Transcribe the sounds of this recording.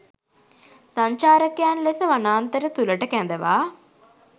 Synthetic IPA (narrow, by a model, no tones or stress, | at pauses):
saɲt͡ʃaːɾɐkjaːnlesəʋanaːnt̪əɾət̪uləʈəkænd̪əʋa̰ː